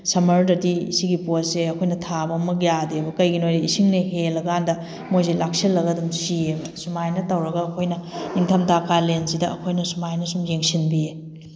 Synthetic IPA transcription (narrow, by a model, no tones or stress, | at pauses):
sɐmɐɾdɐdisiɡiposseɐkʰojnɐtʰabɐmɐk̬̚jadebɐkɐjɡinojdɐisiŋnɐɦelːɐɡandɐ | mojzelak̚silːɐɡɐdɐmsiebɐsumajnɐtɐwɾɐɡɐːkʰojnɐniŋtʰɐmtʰakːalensidɐɐkʰojnɐsumajnɐsumjeŋsinbie